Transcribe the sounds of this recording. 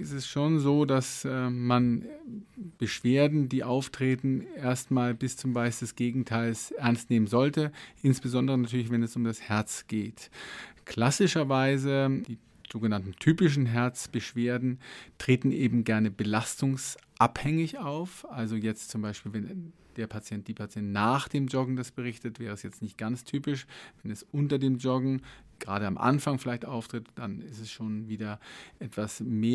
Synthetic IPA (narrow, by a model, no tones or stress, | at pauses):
ɪsɛsʃoːnzoːdasman | b̥əʃv̥eːɐdn̩diːʔaʊftʁ̥eːtn̩ʔeːɐstmaːlbɪst͡sʊmvaɪsd̥ɛsɡ̥eːɡŋ̩tʰaɪlsʔɛɐnstneːmənzɔltəʔɪnsb̥əzɔndəʁ̞ənatʰyɐlɪç̬vɛnɛsʊmdashɛɐt͡sɡ̥eːtkʰl̥asɪʃɐvaɪzəd̥iː | z̥oːɡənantn̩tʰyːpɪʃ̬n̩ɦɛɐt͡sb̥əʃv̥eːɐdn̩tʁ̥eːtn̩ʔeːbm̩ɡɛɐnəbəlastʊŋsʔaphɛŋɪçaʊfʔalzojɛt͡stt͡sʊmbaɪʃpiːlvɛn | d̥eːɐpʰat͡sjɛnt̚d̥iːpʰat͡sjɛntnaːχd̥eːmd͡ʒɔɡŋ̩dasb̥əʁɪçtətv̥ɛːʁ̞əɛsjɛt͡stnɪçt̚ɡ̥ant͡stʰyːpɪʃvɛnɛsʔʊntɐdeːmd͡ʒɔɡŋ̩ɡ̥əʁaːɾəamʔa̰nfaŋfɪlaɪçtʔa̰ʊftʁ̥ɪtd̥anɪstɛsʃoːnviːdɐʔɛtv̥asmeː